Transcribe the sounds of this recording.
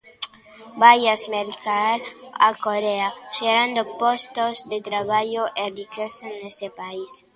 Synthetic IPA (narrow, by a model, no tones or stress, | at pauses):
bajasmeɾkala̰koɾeaʃeɾand̪opost̪ozd̪et̪ɾaβaʎoʔerikesenːesepais